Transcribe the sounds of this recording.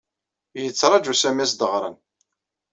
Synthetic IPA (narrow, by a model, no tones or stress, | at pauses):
jət͡sːɾˤɑd͡ʒusæmæsd̪əʁɾˤə̰n